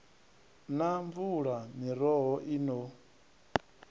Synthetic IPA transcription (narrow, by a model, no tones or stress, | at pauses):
naɱvuɺamiɾɔɦɔʔino